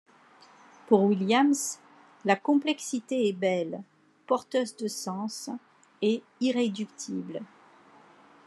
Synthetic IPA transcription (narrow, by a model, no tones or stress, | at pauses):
puʁwiljams | lakɔ̃plɛksit̪eɛbɛl | pɔʁt̪øzd̪əsɑ̃s | e | iʁed̪ykt̪ʰibl